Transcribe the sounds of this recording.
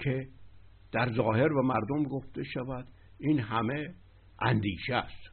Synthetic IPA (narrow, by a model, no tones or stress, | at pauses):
cʰe̞ | d̪̥æɾzɒːhe̞ɾbæmæɾd̪omɡoft̪ʰe̞ʃævæd̪̥ | iːnɦæme̞ | ʔænd̪iːʃeæst̪